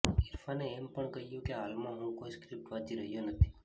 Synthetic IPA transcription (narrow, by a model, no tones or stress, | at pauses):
iɾfaneːmpəɳkəɦijũkeɦalmãɦũkoiskɾɪp̚ʈʋãd͡ʒ̪iɾəɦjonət̪ʰi̥